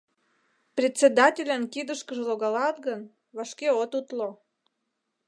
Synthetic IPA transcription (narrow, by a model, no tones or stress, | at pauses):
prʲet͡sʲed̪ɑtʲelʲənkid̪əʃkəʒə̆lˠoɣɑlɑt̪ɡən | βɑʃkeot̪ut̪lo